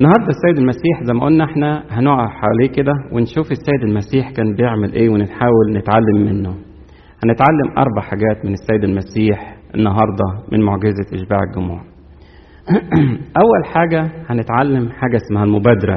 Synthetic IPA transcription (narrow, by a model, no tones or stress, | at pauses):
ʔenːɑhɑɾˤd̪ˤɑsːæjed̪ælmæsiːħzæjmːæʔolnæʔeħnæhænoʕɑħawæliːked̪æwenʃuːfesːæːjed̪ælmæsiːħkæːnbejeʕmælʔeːwenet̪ħaːwælnet̪ʕalːemːenːo | hænet̪ʕalːemʔɑ̰ɾˤbaʕħaɡæːt̪menesːæːjed̪ælmæsiːħʔenːɑɦɑɾˤd̪ˤɑmenmoʕɡezæʔeʃbaːʕeɡʊmṵːʕ | ʔæwːælħaːɡæhænet̪ʕalːemħaːɡæʔsmæhælmobæːd̪ɑɾæ̰